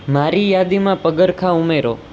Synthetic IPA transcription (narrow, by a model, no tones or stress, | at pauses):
maɾijad̪imãpəɡəɾkʰaumeɾo̰